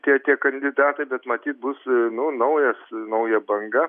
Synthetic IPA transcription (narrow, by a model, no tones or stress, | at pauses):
t̪ʲiɛt̪ʲiɛkɐnʲd̪ʲɪd̪ɑːt̪ɐɪbʲɛt̪mɐt̪ʲiːt̪̚bʊsnʊnɐʊjɛsnɐʊjɛbɐŋɡɐ